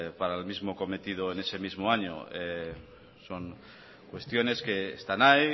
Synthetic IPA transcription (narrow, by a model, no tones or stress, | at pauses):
paɾaelmizmoko̞me̞t̪ið̞oene̞se̞mizmoaɲo̰e | so̞ŋ | kwe̞st̪jo̞ne̞ske̞ːst̪anaj